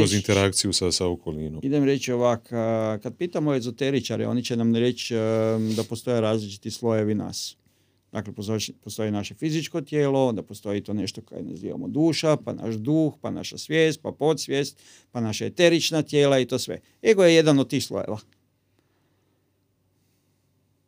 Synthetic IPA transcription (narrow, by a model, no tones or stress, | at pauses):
kozint̪eɾakt̪sijusasaokolnḭnomid̪emɾe̞t͡ʃoʋakkad̪̚piːt̪amoezot̪eɾit͡ʃaɾeo̞̰nit͡ɕenamnɾe̞t͡ʃ | d̪apost̪o̞jeɾaːzlit͡ʃi̥t̪islˠoje̞ʋina̰ːs | d̪aklepost̪o̞jinaʃe̞fizit͡ʃko̞t̪jeːlo̞ond̪apost̪o̞jit̪o̞ne̞ʃt̪oko̰jḛnḛzḭʋa̰mod̪uːʃapa̰na̰ʃd̪uːxpana̰ʃasʋjeːst̪̚papo̞t̪sʋjeːst̪ | panaʃajet̪e̞ɾit͡ʃnat̪je̞ːlait̪o̞ːsʋḛ | eɡojeje̞d̪anod̪̚t̪ːiːxslˠo̰jḛʋa